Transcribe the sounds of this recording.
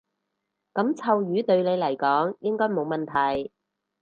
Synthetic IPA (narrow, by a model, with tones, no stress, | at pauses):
kɐ˨˥mt͡sʰɐ˧wjyː˨˧˥t̪ɵ˧ɥle˨˧jlɐ˨˩jkɔː˨˥ŋjɪ˥ŋkɔː˥jmo˨˧wmɐ˨nt̪ʰɐ˨˩j